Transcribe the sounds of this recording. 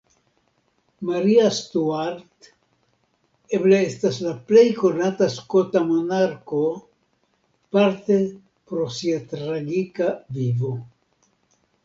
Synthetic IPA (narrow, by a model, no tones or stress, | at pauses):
maɾiastuaɾt̪ | ebleestaslaple̞jko̞nataskotamonaɾko̞ | paɾt̪e̞ | pɾo̞siat̪ɾaɡikavivo